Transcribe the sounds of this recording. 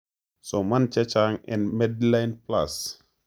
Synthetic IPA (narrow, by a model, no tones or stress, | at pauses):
somant͡ʃɛt͡ʃaŋɛnmɛdlajnpla̰s